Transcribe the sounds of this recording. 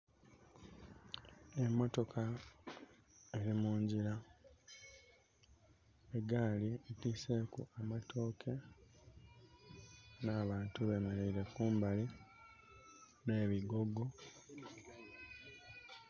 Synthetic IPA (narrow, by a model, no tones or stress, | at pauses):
e̞mːo̞to̞kʰa | e̞ɾimuːɲɟiɾa | e̞ɡaːlietiːse̞ːkuamatʰo̞ːkʰe̞ | naːβaːntuβe̞me̞ɾeiɾe̞kuːmbali | ne̞ːβiɡo̞ɡo̞